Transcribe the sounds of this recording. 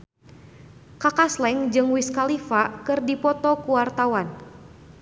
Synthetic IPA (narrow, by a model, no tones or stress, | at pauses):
kakaslɛŋd͡ʒɨŋwiskalifakɨrdipɔt̪ɔkuwart̪awan